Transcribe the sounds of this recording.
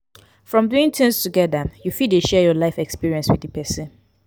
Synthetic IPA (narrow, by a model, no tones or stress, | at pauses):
fɹɔ̃mduĩŋtʰɪ̃ŋstʰuɡɛðəjufideʃɛjɔlaɪfɛkspiɹiɛ̃nswɪdəpʰɛsə̃n